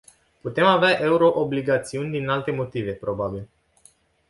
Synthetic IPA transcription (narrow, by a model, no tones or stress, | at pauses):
put̪e̞maveaʔe̞uɾo̞ʔobliɡat̪siunʲd̪inalt̪e̞mo̞t̪ive̞pɾo̞babil